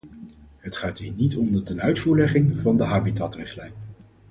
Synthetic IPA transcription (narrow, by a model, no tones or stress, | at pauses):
ɦətχaːtɦiːɹnitɔmdətɛnœɥtfuːɹlɛχɪŋvɑndəɦaːbitaːtrɪχtlɛjn